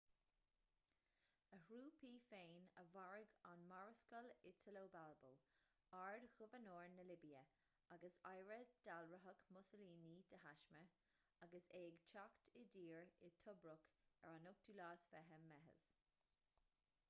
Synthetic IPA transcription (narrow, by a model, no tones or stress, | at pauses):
əhɹuːpʰiːfeːnəvaɹɪɡanmaɹəskəlɪtʰəloːbalbow | aɹdxʊvənoːɹnəlɪbiə | aɡəsajɹəd̪̥alɹəɦəkmʊsəliːniːd̪̥əhaʃmə | aɡəseːɡt͡ʃʰaktʰɪdiːɹɪt̪ʰʊbɹʊkɛ̰ɹanʊk̚d̪̥ulaːsfɛɦəmɛɦə̰ð̥